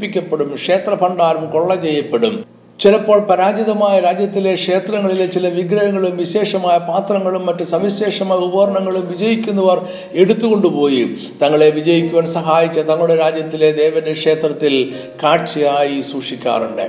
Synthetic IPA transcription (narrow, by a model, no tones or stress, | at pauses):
pikʲːɐpːeɽumkʂe̞ːt̪rɐpɐɳɖaːɾumko̞ɭːɐt͡ɕe̞jːɐpːe̞ɽum | t͡ɕilɐpːo̞ːɭpɐɾaːd͡ʑjɐðɐmaːjɐɾaːd͡ʑjɐt̪ːile̞kʂe̞ːt̪rɐŋːɐɭilet͡ɕilɐʋiɡɾɐjɐŋːɐɭumʋiɕe̞ːʂɐmaːjɐpaːt̪rɐŋːɐɭumːɐtːusɐmiɕe̞ːʂɐmaːjɐubɐɾɐɳɐŋːɐɭumʋid͡ʑɐjikʲːunːɐʋɐr | e̞ɽut̪ːuɣo̞ɳɖupo̞ːji | t̪ɐŋːɐɭe̞ʋid͡ʑɐjikʲːuʋɐːnsɐɦaːjit͡ɕːɐt̪ɐŋːɐɭuɽe̞ɾaːd͡ʑjɐt̪ːile̞d̪e̞ːʋɐndekʂe̞ːt̪rɐt̪ːil | kaːrt͡ɕijaːjisuːʂikʲːa̰ːruɳɖɨ̰